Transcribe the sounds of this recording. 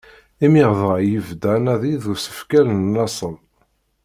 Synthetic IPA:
imiʁðʁɑjəvd̪ænæðiðusə̥fkælənːɑsˤən

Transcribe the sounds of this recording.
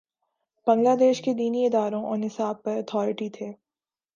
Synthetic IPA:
b̥ɐ̃ŋɡlaːd̪eːʃked̪iːniɪd̪aːɾõʔɔ̰ːɾnɪsaːb̚pɐɾɐt̪ʰɔːɾɪʈit̪ʰeː

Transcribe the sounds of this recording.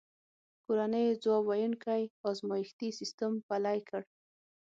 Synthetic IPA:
koɾanəjd͡zwɑwajunkajɔzmɑjɪxt̪isist̪əmpalajkʰəɽ

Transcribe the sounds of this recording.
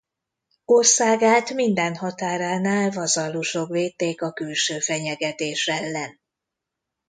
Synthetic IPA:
orsaːɡaːt̪mind̪ɛnhɒt̪aːɾaːnaːlvɒzɒlːuʃo̞kveːt̪ːeːkɒkylʃøːfɛɲɛɡɛt̪eːʃɛlːɛn

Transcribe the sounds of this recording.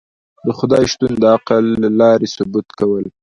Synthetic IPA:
d̪əxʊd̪ɑjʃt̪und̪əaqəlːalɑɾesʊbut̪kawəl

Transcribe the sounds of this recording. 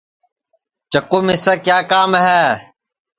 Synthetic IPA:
t͡ʃəkuːmɪseːkjaːkaːmɦɛː

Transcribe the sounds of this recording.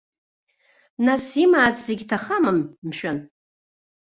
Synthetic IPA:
nasimaːt͡sʼzeɡʲtʰaχamɨmmʃᶣan

